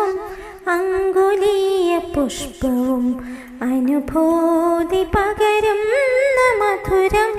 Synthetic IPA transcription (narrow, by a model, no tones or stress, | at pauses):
ɐm | ɐŋɡulijɐpuʂpɐʋum | ɐnubʱoːd̪ipɐɡɐɾɐmnɐmɐd̪ʰʱuɾɐm